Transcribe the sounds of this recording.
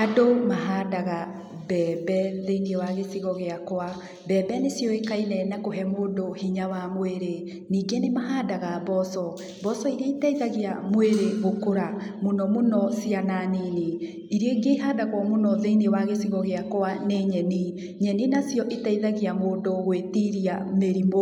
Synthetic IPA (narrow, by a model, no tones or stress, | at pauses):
adomaɦaːdaɣa | bɛbɛðeiniewaɣesiɣɔɣeakoa | bɛːbɛnesjɔekainɛnakoɦɛmoːdohiɲawamoeɾe | niːɡenemaɦaːdaɣabɔsɔ | bɔsɔiɾeitaiðaɣiamoeɾeɣokoɾamonɔmonɔsiananini | iɾeɡeiɦaːdaɣwɔmonɔðeiniewaɣesiɣɔɣeakoaneɲɛni | ɲɛninasjɔʔitaiðaɣiamoːdoɣwetiɾiameɾimo